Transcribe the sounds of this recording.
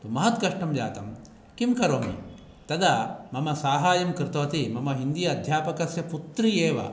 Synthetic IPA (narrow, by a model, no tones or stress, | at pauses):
t̪umɐɦɐt̪ɡɐʂʈɐmja̰ːt̪ɐm | kimkɐɾoːmḭ | t̪ɐd̪ɐmɐmɐsaːɦaːjɐmkɾɪt̪ʋɐt̪imɐmɐɦind̪ijɐːd̪ʱjaːpɐkɐsjɐput̪ɾijeːʋɐ̰